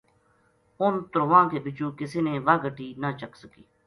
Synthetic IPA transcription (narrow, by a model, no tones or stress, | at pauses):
ʊnt̪ʊɾʋãːkeːbɪt͡ʃũːkɪseːneːʋaːɡʱəʈʰːiːnaːt͡ʃəksəkiː